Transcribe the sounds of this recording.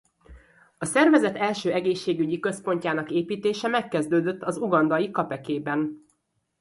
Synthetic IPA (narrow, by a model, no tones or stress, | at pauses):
ɒsɛrvɛzɛt̪ɛlʃøːɛɡeːʃːeːɡyɟikø̞spo̞ɲcaːnɒkeːpiːt̪eːʃɛmɛkːɛzd̪øːd̪øt̪ːɒzuɡɒnd̪ɒjikɒpɛkeːbɛn